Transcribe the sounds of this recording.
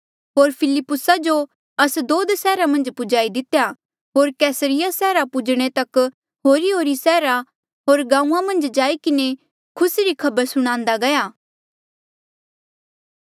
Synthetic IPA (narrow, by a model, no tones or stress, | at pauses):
ɦoːɾpʰɪlɪpːʊsad͡ʒo | ɐsd̪oːd̪sɛːɾamɐ̃nd͡ʒpʊd͡ʒaːid̪ɪt̪ja | ɦoːɾkɛːsəɾɪjasɛːɾapʊd͡ʒɽ̃et̪ɐk | ɦoːɾiɦoːɾisɛːɾa | ɦoːɾɡãːũːãmɐ̃nd͡ʒd͡ʒaːikɪne | kʰʊsiɾikʰɐbəɾsʊɽ̃ãːnd̪aɡɐjaː